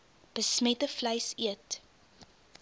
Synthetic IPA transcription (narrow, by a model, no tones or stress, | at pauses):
b̥əsmɛtəflɐjsiət